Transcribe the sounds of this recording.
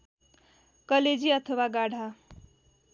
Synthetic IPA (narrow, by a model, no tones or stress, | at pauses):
kʌled͡ziʌt̪ʰʌwaɡaɽ̤ʱa